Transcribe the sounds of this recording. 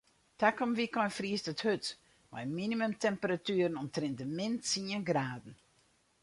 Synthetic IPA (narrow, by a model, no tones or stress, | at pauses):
takɔmʋikɔjfriəstəthøt | ma̰jminimømtɛmpəɾatyːəɾənɔmtrɪnt̚dəmɪntsiənɡraːdn̩